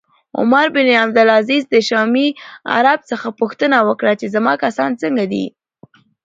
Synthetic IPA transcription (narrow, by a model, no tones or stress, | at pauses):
ʊ̰maɾbɪniabd̪ʊlazizd̪əʃɑmia̰ɾab̚t͡səxapuxt̪ənawəkɽat͡ʃezamɑkasɑnt͡səŋɡad̪ḭ